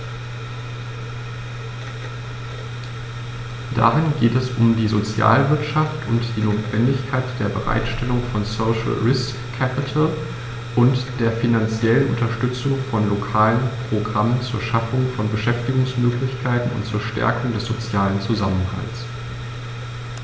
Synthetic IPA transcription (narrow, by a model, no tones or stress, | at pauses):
d̥a̰ʁɪnɡeːtɛsʊmdiːzot͡sja̰ːlvɪɐtʃaftʰʔʊntd̥iːnoːtv̥ɛndɪçkʰaɪtd̥eːɐbəʁa̰ɪtʃtʰɛlʊŋfɔnsoʊʃl̩ʁɪskʰːɛpɪtʰl | ʔʊntd̥eːɐfinant͡sjɛlənʔʊ̰ntɐʃtʏt͡sʊŋfɔnlokʰaːlənpʁ̥oɡʁamənt͡suːɐʃafʊŋfɔnbəʃɛftɪɡʊŋsmøːklɪçkʰaɪtn̩ʊ̰ntt͡suːɐʃtɛ̰ɐkʰʊŋdɛsz̥ot͡sjaːlənt͡suzamənha̰lt͡s